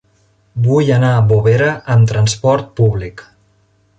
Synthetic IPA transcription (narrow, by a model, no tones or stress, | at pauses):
bujənabuβeɾəʔəmt̪ɾənspɔɾt̪̚puβlik